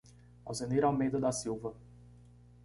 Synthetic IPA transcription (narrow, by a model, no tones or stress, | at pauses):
a̰wsẽniɾawmejd̪ɐd̪asiwvɐ